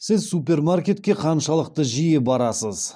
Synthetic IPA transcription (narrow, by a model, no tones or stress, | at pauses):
sɪzsupe̞rmarkʲe̞t̪̚kʲe̞qʰɑnʃɑlˠəq̚t̪əʒijɪbɑɾɑsəz̥